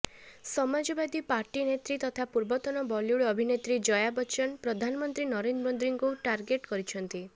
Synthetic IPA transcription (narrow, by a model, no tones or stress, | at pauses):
sɔmad͡ʒɔbad̪ipaɾʈinet̪ɾit̪ɔt̪ʰapuɾbɔt̪ɔnɔbɔljuɭɔbʱinet̪ɾid͡ʒɔjabɔt͡ʃɔnpɾɔd̪ʱanɔmɔnt̪ɾinɔɾenbɔnd̪ɾiŋkuʈaɾɡeʈkɔɾit͡ʃʰɔnt̪i